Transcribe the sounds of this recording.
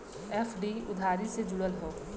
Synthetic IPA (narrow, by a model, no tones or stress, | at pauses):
eːfɖiʊd̪ʱaːɾised͡ʒʊɽəlɦoː